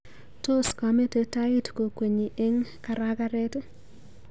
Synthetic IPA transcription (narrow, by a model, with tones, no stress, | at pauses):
to˦ska˨me˦te˨ta˦i˦tko˨kwe˨ɲi˨ʔe˦ŋka˨ɾa˦ka˦ɾɛ˦t